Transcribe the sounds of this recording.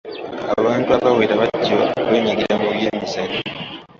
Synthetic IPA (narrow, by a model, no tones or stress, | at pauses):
a̰βaːntuaβaweːɾaβaɟoβeːɲaɡiɾamuβjemisaɾi